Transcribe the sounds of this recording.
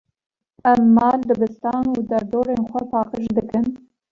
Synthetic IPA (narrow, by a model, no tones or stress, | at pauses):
ɛmːɑːld̪ɨbɨst̪ɑːnuːd̪ɐɾd̪oːɾeːnxʷɛpʰɑːqəʃd̪ɨkɨn